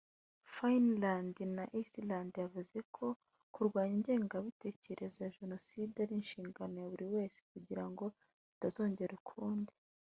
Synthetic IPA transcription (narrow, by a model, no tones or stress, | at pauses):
fainlandinaʔisilandjavuze̞kʰo̞ | kuɾɡwaːɲiɲɟe̞ːŋɡaβite̞ːce̞ɾʔe̞zajaʒe̞no̞sidaɾinʃiːŋɡano̞jaβuɾiwe̞ːse̥kuɟiɾaŋɡo̞ | βitazo̞ːɲɟe̞ɾekʰuːndi̥